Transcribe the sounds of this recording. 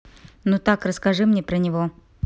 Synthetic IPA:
nut̪akrəskɐʐɨmnʲepɾənʲɪvo

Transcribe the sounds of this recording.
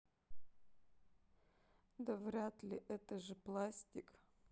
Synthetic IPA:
d̪ɐvɾʲat̪lʲɪʔɛt̪əʐɨplˠasʲtʲɪk

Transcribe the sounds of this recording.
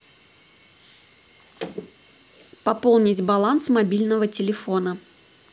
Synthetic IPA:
pɐpolˠnʲɪtʲbɐlˠansmɐbʲilʲnəvətʲɪlʲɪfo̞nə

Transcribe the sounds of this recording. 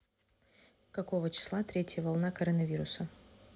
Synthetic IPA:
kɐkovət͡ɕɪ̥slˠat̪ɾʲetʲjəvɐlˠnakɐɾənɐvʲiɾʊsə

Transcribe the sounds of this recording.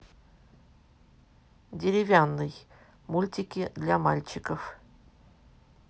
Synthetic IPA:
dʲeɾʲɪvʲanːɨj | mulʲtʲikʲid̪lʲama̰lʲt͡ɕikəf

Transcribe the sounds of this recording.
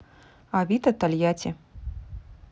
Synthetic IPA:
avʲit̪ɐt̪alʲjat͡sʲɛ

